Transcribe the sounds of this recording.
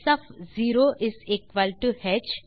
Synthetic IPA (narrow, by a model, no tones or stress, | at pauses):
sɐfziːɾoʔɪzekʋəlʈuhɛt͡ʃ